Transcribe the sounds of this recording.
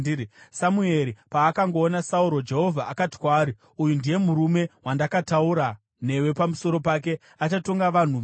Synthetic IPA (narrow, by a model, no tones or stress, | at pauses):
samue̞ɾipaːkaŋɡo̞ːnasauɾo̞d͡ʒe̞ɦo̞vʱaʔakati̥kwaːɾi | ujundije̞muɾume̞wandakatauɾa | ne̞we̞pamuso̞ɾo̞paːke̞ | at͡ʃato̞ŋɡaʋan̤u